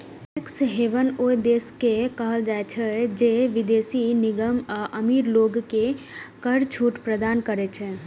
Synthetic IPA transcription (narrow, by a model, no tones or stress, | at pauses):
ɛksɦeʋənoid̪eːskekəɦəld͡ʒaet͡ʃʰɛd͡ʒeʋɪd̪eːsinɪɡəmʔəmiːɾloːɡke | kəɾt͡ʃʰuːʈpɾəd̪aːnkəɾɛt͡ʃʰɛ